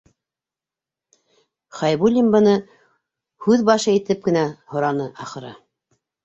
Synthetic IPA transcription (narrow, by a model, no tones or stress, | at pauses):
χɑjbulʲimbɤnɤ | hʉðbɑʃɤit̪ɘp̚kɘ̆næhŏɾɑnɤʔɑχɤ̆ɾɑ̰